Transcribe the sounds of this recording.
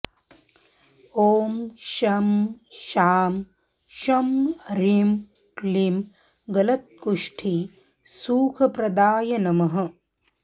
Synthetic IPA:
oːmʃɐmʃaːm | ʃɐmɾim | klim | ɡɐlɐt̪̚kuʂʈʰi | suːkʰɐpɾɐd̪aːjɐnɐmɐɦɐ̆

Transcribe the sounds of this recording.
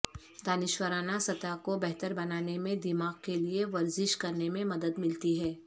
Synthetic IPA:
d̪aːnɪʃwəɾaːnasɐt̪akobɛɦt̪əɾbɐnaːnemẽd̪ɪmaːɡkelieʋɐɾzɪʃkɐɾnemẽmɐd̪əd̪mɪlt̪iɦɛː

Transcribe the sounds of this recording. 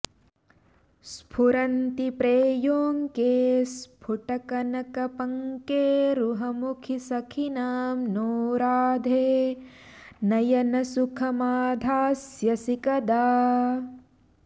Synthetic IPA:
spʰuɾɐnt̪ipɾeːjoːŋkeːspʰuʈɐkɐnɐkɐpɐŋkeːɾuɦɐmukʰisɐkʰinaːmnoːɾaːd̪ʱeː | nɐjɐnɐsukʰɐmaːd̪ʱaːsjɐsikɐd̪aː

